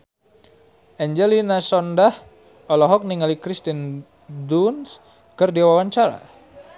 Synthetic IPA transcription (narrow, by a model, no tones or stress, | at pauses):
ʔɛɲd͡ʒɛlinasɔndah | ɔlɔɦɔk̚niŋalikɾist̪in | duns | kərdiwawaɲt͡ʃaɾa̰